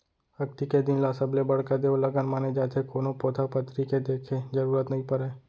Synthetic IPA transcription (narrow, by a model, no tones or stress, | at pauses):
ɐɡ̚t̪iked̪ɪnlaːsəblebɐɽkad̪eːolɐɡənmaːned͡ʒaːt̪ʰekoːnõpoːt̪ʰapət̪ɾiked̪eːkʰed͡ʒəɾuːɾət̪nɐɦĩpɐɾeː